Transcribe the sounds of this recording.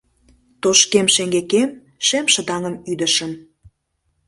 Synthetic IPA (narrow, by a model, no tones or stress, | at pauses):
t̪oʃkemʃeŋɡekem | ʃemʃə̆d̪ɑŋəmyd̪ə̆ʃəm